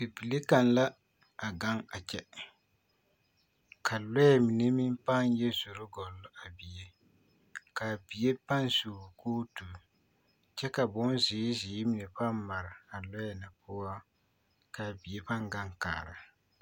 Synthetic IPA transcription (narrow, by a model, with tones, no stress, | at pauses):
bi˨bi˨li˦ka˨n˦la˦ | a˨ɡa˦ŋa˨t͡ʃɛ˦ | kʰa˨lɔ˦jɛ˦˨mi˨ne˦mi˦m˦pa˦n˦jɛ˦zʊ˨ɾʊ˦ɡɔ˨lːʊ˦ʔa˨bi˨je˦ | ka˨bi˨je˦pa˦nsuː˨kʰoː˦tu˨ | t͡ʃɛ˦ka˨bʊ˦nzɪː˨˦zɪː˨˦mi˨nɛ˨pa˦mma˨ɾɪ˨a˨lɔ˦jɛ˨na˨pʊ˦a˦ | ka˨bi˨e˦pa˦ŋɡa˦ŋka̰ː˨ɾɨ˨